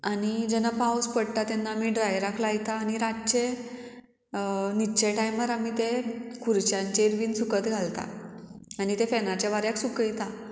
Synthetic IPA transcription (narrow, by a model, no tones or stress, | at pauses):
anid͡ʑenapawspəɽt̪at̪ɛnːaːmiɖɾajɾakʰlajt̪aːñiɾat͡ɕe | nit͡ɕeʈajməɾamit̪ekʰuɾt͡ɕjãɲt͡ɕeɾʋiːnsukət̪ɡʱalt̪a̰añit̪efɛnat͡ɕjaʋaɾjaksukəjt̪a